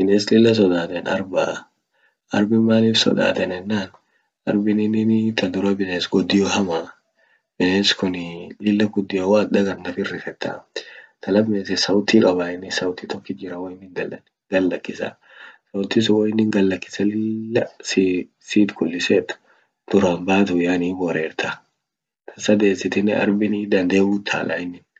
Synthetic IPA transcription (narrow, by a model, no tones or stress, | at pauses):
bɪneːslɪlːɐs̬ɔd̪aːt̪ɛnɐ̰ɾba | ʔɐɾbɪmaːliːfsɔ̰d̪a̰ːt̪ɛnɛnːaːn | ɐɾbɪnɪnɪnt̪ɐd̪ʊɾɐbɪneːsɡɔd̪ːɪjɔɦɐmaː | b̥ɪneːskʊnlɪlːɐɡʊd̪ːɪjɐwaːd̪ɐɡɐɾnɐfɪrːɪfɛt̪ːa̰t̪ʰɐlɐbmesɛsɐwʊt̪ːiːkʼɐbaɪnːɪsɐwʊt̪ːit̪ɔkːɪd͡ʒɪɾɐwɐɪnːɪŋdɐl | ɡɐlːɐkːɪsɐ̰ | sɐwʊt̪ːis̬ʊwɐjɪnːɪŋɡɐlːɐkːɪ̥sɐlɪlːɐs | siːd̪kʊlːɪseːt̪ʊ̥ | d̪̥ʊɾaːmbaːt̪ʊjaːniːbɔɾeːɾt̪ʰa | t̪ʰɐsɐd̪e̞ːsɪt̪ɪnːɪɐ̰ɾbɪnid̪ɐnd̪e̞ːbuːt̪ʰːa̰ːlʔa̰ɪnːɪn